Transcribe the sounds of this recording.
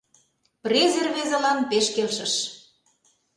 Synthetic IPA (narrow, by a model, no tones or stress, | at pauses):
prʲezerβezelɑnpeʃkelʃə̆ʃ